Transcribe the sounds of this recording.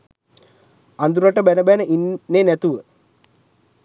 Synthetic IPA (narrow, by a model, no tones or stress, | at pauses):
and̪uɾaʈəbænəbænəʔinːenæt̪uʋə